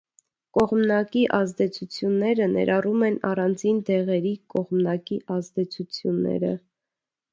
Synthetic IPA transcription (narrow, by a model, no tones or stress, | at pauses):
kɔʁmnɑkiʔɑzd̪ɛt͡sʰut͡sʰjunːɛɾənɛ̰ɾʔɑrumɛnɑrɑnd͡zind̪ɛʁɛɾikɔʁmnɑkiʔɑzd̪ɛt͡sʰut͡sʰjunːɛ̰ɾə̰